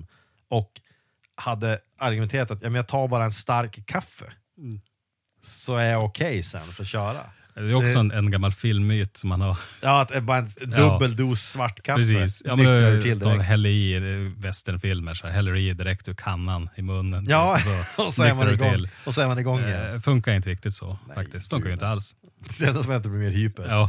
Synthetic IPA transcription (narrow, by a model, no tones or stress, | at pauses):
ɔk | had̪ːə | aɾɡʉmɛnt̪ʰeːɾat̪at̪jɑːmɛmjat̪ʰɑːɾbɑːɾaɛnst̪aɾkʰːafːə̰ | sɔæɾjaʊkʰɛjsɛ̰nːfœɾɔt̪ɕœːɾa̰ | d̪ɛjɔɛksɔɛnɛnɡamːalfɪlmːyːt̪sɔmhanhaɾjɑːat̪ɛbɑːɾaɛnɵbːəld̪uːsːvaʈːkʰapɾɛs̬iːsjɑːmɛnʰɪld̪ɔɦɛlːəɾivɛst̪əɳfɪlməʂɛhɛlːəɾiːd̪ɪɾɛk̚t̪hʉɾkʰanːanɪmɵnːənːsɔɔsɔɾmanɛɡ̪ʰɪlːɔsɔɛːɾmanɪɡɔŋfɵŋkaɾɪnt̪əɾɪk̚t̪ɪt̪sɔ̰fak̚t̪ɪskt̪fɵŋkːaɾjʏɪt̪əals | d̪ɛnasɔmɪnt̪əbɪmeːɾhyːpəɑː